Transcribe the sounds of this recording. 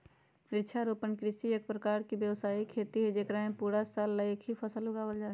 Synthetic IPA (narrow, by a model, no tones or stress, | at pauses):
ɪɾt͡ʃʰaɾoːpənkɾɪʃijək̚pɾəkaːɾkibjəwsaːikʰeːt̪iɦɛd͡ʒeːkɾaɦẽpuːɾasalːaekɦipʰəsəlʊɡaːwəld͡ʒaː